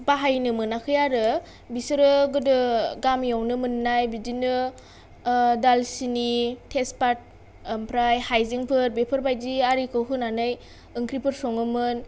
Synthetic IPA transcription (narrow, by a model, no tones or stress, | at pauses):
baɦajnɯmɯnakʰɯjaɾɯ | bisɯɾɯɡɯdɯɡamjawnɯmɯnnajbidinɯ | dalsinitʰespat̚ | mpʰɾajhajziŋpʰɯɾbepʰɯɾbajdiaɾikʰɯɦɯnanɯj | ɯŋkʰɾipʰɯɾsɔŋɯmɯn